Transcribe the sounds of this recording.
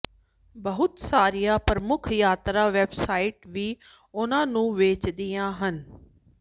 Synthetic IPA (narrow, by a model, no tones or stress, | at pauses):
bəɦʊt̪saːɾijaːpɾəmʊkʰjaːt̪ɾaːʋeːbsaːiːʈʋiː | ʊnãːnũːʋeːt͡ʃd̪ijãːɦən